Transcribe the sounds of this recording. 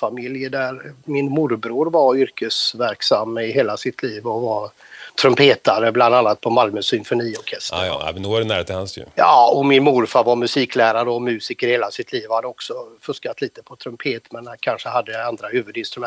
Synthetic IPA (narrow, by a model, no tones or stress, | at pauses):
famɪljəd̪æɾmɪnmʊɾbɾuːɾvaɾʏɾkəsvæɾksamːɪɦeːlasɪt̪ʰliːvɔva | t̪ʰɾɵmpʰeːt̪aɾəbland̪anːat̪̚pʰɔmalmœsʏnfɔniːɔɾkʰɛst̪ə̰mɛnoːæɖɛnæ̰ɾhet̪əhansjɵ̰ɑɔmɪnmʊɾfavaɾmɵsiːkʰlæːɾaɾəɔmʉ̟ːsɪkəɾheːlasɪt̪ʰliːvhad̪ːəɔksɔfɵʂkat̪liːt̪əpʰɔt̪ʰɾɵmpʰeːt̪mɛnkʰanʂəhad̪ːəjaand̪ɾahʉ̟ːvɵd̪ɪnst̪ɾɵmɛ